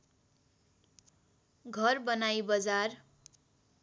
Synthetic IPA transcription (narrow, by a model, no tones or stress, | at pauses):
ɡʱʌrbʌnajbʌd͡zar